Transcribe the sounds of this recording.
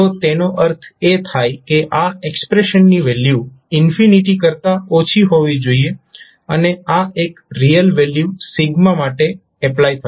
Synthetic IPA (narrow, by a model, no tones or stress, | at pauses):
t̪ot̪enoʔəɾt̪ʰet̪ʰajkeʔaekspɾeʃənːiʋelju | ɪnfiniʈikəɾt̪aot͡ʃʰiɦoʋid͡ʒoie | əneaekɾijəlʋeljusɪɡmamaʈe | ɛplajt̪ʰə